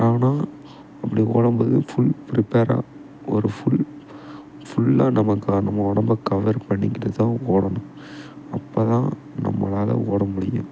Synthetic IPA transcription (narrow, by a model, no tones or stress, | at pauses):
aːnaː | ɐpːɐɽio̰ːɽɐmbɐðɯfʊɭpɪɾɪpeːɾa̰ | ɔɾɯfʊɭ | fʊɭːaːnɐmɐkːanɐmːɐɔɽɐmbɐkɐʋɐɾpɐɳːɪŋɡɪɾɐt̪ːãːoːɽɐɳʊ̃ | ɐpːoːt̪ãː | nɐ̰mːɐ̰laːlɐ̰oːɽɐmʊɽɪjʊ̰̃